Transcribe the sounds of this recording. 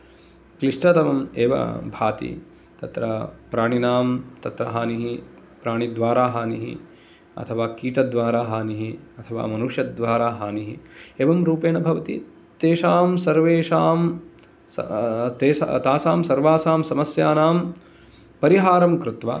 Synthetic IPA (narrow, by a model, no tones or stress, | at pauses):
kliʂʈɐt̪ɐmɐmḛːʋɐ̰bʱa̰ːt̪ḭ | t̪ɐt̪ɾɐpɾaːɳ̃inaːmt̪ɐt̪ɾɐ̰ɦaːniɦi | pɾaːɳid̪ʋaːɾaːɦaːniɦḭ | ɐ̰t̪ʰɐʋaːkiːʈɐd̪ʋaːɾaːɦaːniɦiɐt̪ʰɐʋa̰ːmɐnuʂjɐd̪ʋaːɾaːɦaːniɦḭeːʋɐmɾuːpeːnɐbʱɐʋɐt̪ḭ | t̪eːʃaːmsɐɾʋeːʂaːm̰ | t̪ḛːt̪aːsaːmsɐɾʋaːsaːmsɐmɐsjaːnaːm | pɐɾiɦaːɾɐmkɾut̪ʋa̰ː